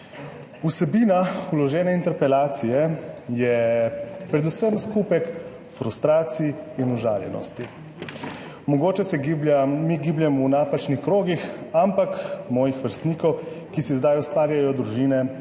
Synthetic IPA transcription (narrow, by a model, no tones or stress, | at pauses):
usɛbiːnaulɔʒɛːnɛint̪ɛɾpɛlaːt̪sijɛjɛ | pɾɛd̪usəmskuːpɛk | fɾust̪ɾaːt̪siːnuʒa̰ːljɛ̰nɔ̰st̪i | mɔɡoːt͡ʃɛsɛbamiɡiːbljɛmunaːpat͡ʃnixkɾoːɡixampakmɔːjixʋəɾst̪niːkɔw | kisizd̪ajust̪ʋaːɾjajɔd̪ɾuʒiːnɛ